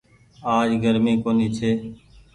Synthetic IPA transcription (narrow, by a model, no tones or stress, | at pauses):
aːd͡ʒɡəɾmiːkoːniːt͡ʃʰeː